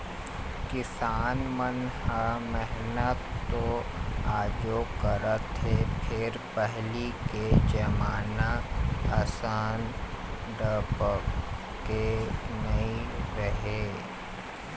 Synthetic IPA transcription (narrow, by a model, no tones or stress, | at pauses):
kɪsaːnmənhamɛɦnət̪ːoaːd͡ʒokəɾət̪ɦepʰɪɾpɛɦliked͡ʒɐmaːnaɐsaːn | ɖəpə | kenɐĩɾɐɦeː